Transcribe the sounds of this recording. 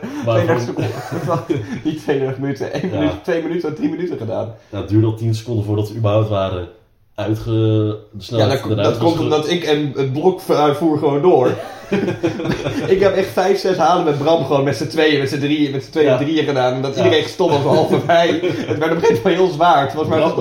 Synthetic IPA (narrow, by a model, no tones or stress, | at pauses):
tejdɛsək | ditʋejdɛɹtəχmənytəʔejnənyttʋejmənytədrimənytəχəda̰ːnjadyːɹdəɔlˠtinsə̥kɔndəfʊːɹdɑtsəybəɦawp̚tʋaːɾə | œɥtχəsnajaddɔtkɔmtɔmdɔtɪkɛnət̚blɔkfuːɹχəʋowndoːɹ | ɪkɦɛpɛχtfɛjfsɛsɦaːləmɛd̚brɑmχəʋoːnmɛtsətʋejəmɛtsədrimɛtsə̥tʋejədriəχədaːnɔmdɔtidərejnχə̥stɔp̚ɔsəɦɑlˠfəfmɛjətʋɛɹtɔpχetbɛjɔlˠsʋaːɹtfɔlˠəs̬mɛj